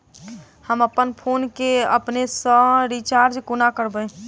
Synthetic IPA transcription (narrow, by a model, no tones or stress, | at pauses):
həməpːənpʰonkeə̰pnesə̃ɾit͡ʃaɾd͡ʒkunakəɾbəj